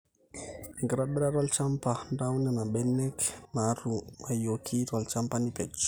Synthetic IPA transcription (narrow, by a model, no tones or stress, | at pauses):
ŋɡɾaɓeɾaɾwalt͡ʃampaɳdawnanaɓɛnɛkmaɾumajokʰiralt͡ʃampanipet͡ʃ